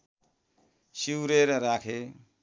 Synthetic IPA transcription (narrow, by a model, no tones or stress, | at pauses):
siwɾeɾʌɾakʰe